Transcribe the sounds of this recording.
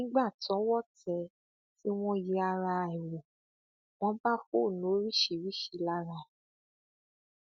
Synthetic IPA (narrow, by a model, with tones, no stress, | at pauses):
nĩ˦ɡ͡ba˦˨tɔ̃˨˦wɔ˦˨tɛ˧ | ti˦w̃ɔ̃˦ji˧˦a˧ɾa˧ɛ˨wũ˨ | w̃ɔ̃˦ba˦fo˦˨nũ˨o˦ɾi˦ʃi˨ɾi˦ʃi˨˧˦la˦ɾa˧˨